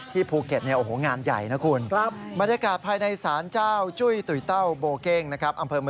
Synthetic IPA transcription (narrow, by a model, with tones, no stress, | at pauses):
t̪ʰiː˥˩pʰuː˧ke˨˩t̪̚ni˥˩ɐʔo˨˩hoː˩˦ŋaː˧nja̰˨˩jna˦˥kʰu˧n˦˥ba˧njaː˧kaː˨˩t̪̚pʰaː˧jna˧jsaː˩˦nt͡ɕaː˥˩wt͡ɕu˥˩jt̪u˨˩jt̪a˥˩wboː˧ke˥˩ŋna˦˥kʰɾa˦˥p̚ʔa˧mpʰɤː˧mɯ˧